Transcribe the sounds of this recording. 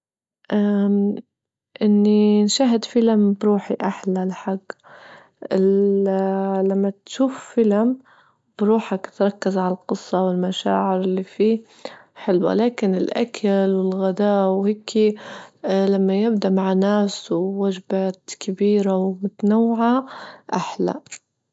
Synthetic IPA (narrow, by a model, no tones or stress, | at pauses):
ʔa | ʔɪnːinʃaːɦɪd̪filambɾuːħiʔaħlalaħaɡː | ʔɪl | lamːat̪ʃuːffilam | b̥ɾuːħakt̪ɾˤɑkːazʕalalqɨsˤːɑwɪlmaʃa̰ːʕɪɾɪlːifiː | ħɪlwa̰laːkɪnɪlʔa̰kʰalwɪlɣad̪aːwheːkʰi | lamːajɪbd̪aʔmaʕnaːswɪːad͡ʒbaːt̪kabiːɾawmʊt̪nawːʕaʔaħla̰